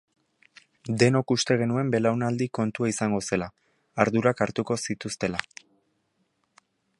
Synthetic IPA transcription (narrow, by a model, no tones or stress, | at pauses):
d̪e̞no̞kust̪e̞ɣ̞e̞nue̞mbe̞lawnald̪iko̞nt̪uaisaŋɡo̞se̞laː | ɾðuɾakaɾt̪uko̞sit̪ust̪e̞la